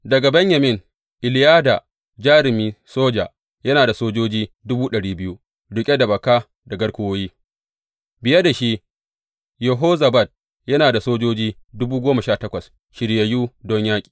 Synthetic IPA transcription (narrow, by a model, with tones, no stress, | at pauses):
dɐ˨ɡa˨bɛ˦ɲjɐ˨mɪ˦˨n | ʔɪ˨lɪ˨˦jaː˦da˨ | d͡ʒaː˦ɾɪ˨miː˦soː˦d͡ʒa̰˨ | jɐ˦naː˨da˨soː˦d͡ʒoː˦d͡ʒiː˦dʊ˦buː˦ɗɐ˨ɽiː˦bɪ˦ju˦ | ɽʊ˨kʲʼe˦da˨bɐ˨ka˦ | dɐ˨ɡɐ˦ɽkʷʊ˦woː˦jiː˦ | bɪ˨jɐ˦da˨ʃi˦ | jɐ˨ɦoː˦zɐ˨bɐ˦˨d̚ | jɐ˦naː˨da˨soː˦d͡ʒoː˦d͡ʒiː˦dʊ˦buː˦ɡʷoː˦mɐ˨ʃaː˦˨tɐ˦kʷɐ˨s | ʃɪ˨ɽje˨juː˦dɔ˦ɲjaː˦kʲʼi̥ː˨